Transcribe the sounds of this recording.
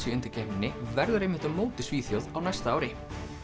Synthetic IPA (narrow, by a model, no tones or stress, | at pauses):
sɪʏnt̪ɪɾcɛmɪnːɪvɛɾðʏɾejmɪnt̪ʏmːoːwt̪ɪ̥sviːθjowðawnajst̪aaːwɾɪ